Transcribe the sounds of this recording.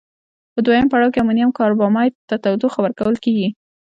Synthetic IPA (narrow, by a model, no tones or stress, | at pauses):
pəd̪wajəmpaɽɑwkeamunijamkɑɾbɑmɑjt̪at̪awd̪oxabəɾkawəlkeɡi